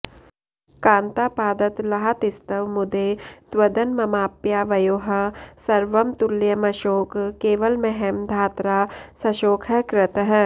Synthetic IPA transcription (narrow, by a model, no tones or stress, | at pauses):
kãːnt̪apaːd̪ɐt̪lɐɦat̪ɪst̪ɐʋmʊd̪eːt̪wɐd̪ɐnmɐmaːpjaːʋɐjoːɦɐ̆sɐɾʋɐmt̪uljɐmɐʃoːkkeːʋəlmɛɦɛmd̪ʱaːt̪ɾaːsɐʃoːkʰɦɛkɾɪt̪ɦɛː